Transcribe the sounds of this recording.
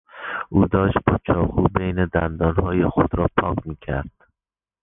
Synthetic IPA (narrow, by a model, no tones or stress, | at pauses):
ʔuːd̪ɒːʃt̪̚bɒt͡ʃʰɒːkubejned̪ænd̪ɒːnhɒːjexod̪ɾɒːpʰɒːkmiːkʲʰæ̰ɾd̪̥